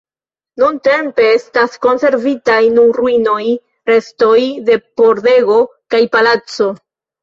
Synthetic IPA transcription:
nunte̞mpe̞estasko̞nse̞ɾvitajnuruino̞j | ɾe̞sto̞jde̞po̞ɾde̞ɡo̞kajpalat͡so̞

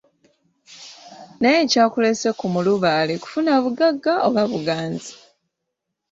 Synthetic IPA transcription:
najecaːkulesekumuluβaːleku̥funaβuɡaɡːaoβaβuɡaːnzi̥

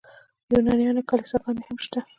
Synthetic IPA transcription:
junɑnijɑnokalɪsakɑnehamʃt̪a

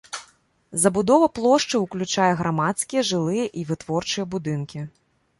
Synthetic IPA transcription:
zɐbud̪ɔvɐplˠɔʂt͡ʂɨwklʲut͡ʂajɛɣɾamat̪skʲijɛʐɨlˠɨjɐʔivɨt̪vɔrt͡ʂɨjɐbud̪ɨnkʲi

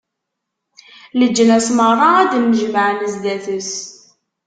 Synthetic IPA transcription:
ləd͡ʒːənæsməɾˤɑæd̪əmːəʒməʕməzd̪æθəs

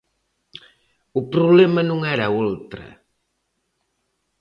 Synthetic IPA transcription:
upɾuβlɛmənuŋɛɾaolˠt̪ɾə̰

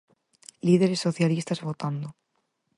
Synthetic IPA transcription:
lið̞eɾe̞sːo̞θjalist̪azβo̞t̪and̪o

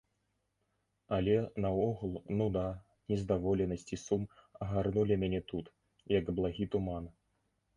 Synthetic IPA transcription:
ɐlʲɛnɐɔɣulˠnud̪a | nʲɛzd̪avɔlʲɛnɐsʲt͡sʲisumɐɣarnulʲimʲanʲɛt̪ut̪ | jɐɡblˠaɣʲit̪uman

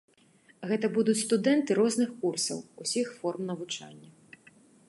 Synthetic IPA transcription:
ɣɛt̪ɐbud̪ut͡sʲst̪ud̪ɛnt̪ɨɾɔznɨxkursɐ̰wusʲixfɔrmnɐvut͡ʂa̰nʲːɐ

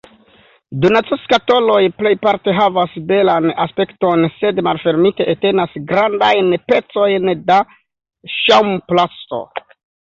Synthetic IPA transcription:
dunat͡seskato̞lo̞jple̞jpaɾte̞ɦavasbe̞lanaspe̞kto̞nse̞dmalfe̞ɾmite̞ʔete̞nasɡɾandajnpe̞t͡so̞jnda | ʃawmplasto̞̰

